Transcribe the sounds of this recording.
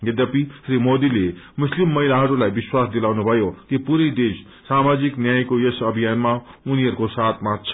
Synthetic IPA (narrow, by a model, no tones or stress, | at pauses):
ɡed̪ʌpisɾimod̪ile | muslimːʌɦilaɦʌɾulajbiswasd̪ilawnubʱʌjokipuɾid̪es | samad͡ziknjajkojesʌbʱijanmauniɦʌɾukosat̪ʰmat͡sʰʌ̥